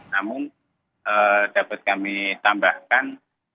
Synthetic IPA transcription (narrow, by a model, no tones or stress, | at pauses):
namʊŋ | əd̥apat̪̚kamit̪ambahkan